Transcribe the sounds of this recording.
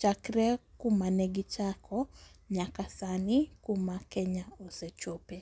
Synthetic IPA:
t͡ʃakiɾɛkumanɛɡit͡ʃakʰɔɲakasanikumakɛɲaosɛt͡ʃopɛ

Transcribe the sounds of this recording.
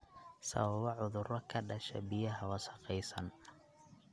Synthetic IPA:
sɐ̰βɐβɔʕʊðʊɾɔkʰɐɖɐʃɛ̰bɪjɐɦɐwɐsɐ̥qɛjsɐn

